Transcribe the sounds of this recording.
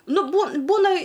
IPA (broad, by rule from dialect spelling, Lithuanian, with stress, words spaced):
ˈnʊ buː ˈbuːnɐ